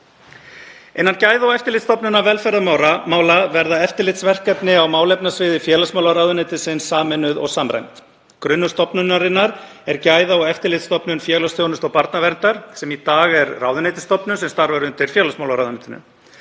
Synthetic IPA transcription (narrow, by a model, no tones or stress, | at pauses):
ejnːancaːjðaɔɣɛft̪ɪɾlɪt̪st̪ɔpnʏnavɛlfɛɾðamaːwɾamaːwlavɛɾðaɛft̪ɪɾlɪt̪svɛr̥kɛpnɪawmaːwlɛjpnasvɪːðɪfjɛːlasmaːwlaɾawðʏnejt̪ɪsɪnsːaːmɛnːʏðɔ̰ɣsaːmɾa̰jmt̪ | kɾʏnːʏ̥st̪ɔpnʏnːaɾɪnːaɾ | ɛɾcaːjðaɔɣɛft̪ɪɾlɪt̪st̪ɔpnʏnfjɛɣlasjownʏst̪ɔɣpaɾt̪navɛɾnt̪aɾ̥sɛmit̪aːɣɛɾrawðʏnejt̪ɪ̥st̪ɔpnʏmsɛmst̪aɾvɛɾʏnt̪ɪɾ̥fjɛːlasmawlaɾawðanɪt̪ɪnʏ̰